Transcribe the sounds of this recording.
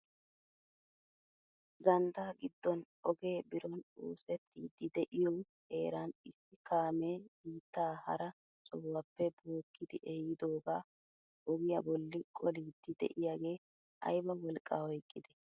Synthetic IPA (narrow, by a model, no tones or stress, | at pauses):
ɡɐnd̪aːɡɪd̪ːɔn | ɔɡe̞ːbɪɾɔnṵːsɛt̪ːiːd̪ːɪd̪ɛʔɪjɔw | he̞ːɾanɪsːɪkaːmeːɡiːt̪ːaːhɐ̰ɾɐ | sʼɔwːɐpːɛboːkʰːɪd̪ɪʔɛjɪd̪oːɡaː | ʔɔɡɪjɐbɔlːɪkʼɔliːd̪ːɪd̪ɛ̰ʔɪjaːɡe̞ː | ɐ̰jbɐwɔlkʼːaːhɔjkʼːɪd̪ɛ̥